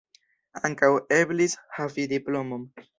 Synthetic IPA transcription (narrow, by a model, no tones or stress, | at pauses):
aŋkaweblishavid̪iplomom